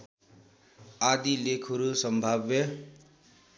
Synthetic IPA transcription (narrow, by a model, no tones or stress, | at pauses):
ad̪ilekʰʌɾusʌmbʱabjʌ